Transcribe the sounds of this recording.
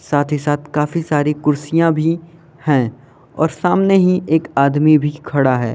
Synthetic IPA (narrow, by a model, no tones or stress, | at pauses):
saːt̪ʰɦisaːt̪ʰkaːfisaːɾikʊɾsijãbʱi | hɛ̃ː | ɔ̰ːɾsaːmneɦĩʔeːkaːd̪mibʱikʰɐɽaɦɛː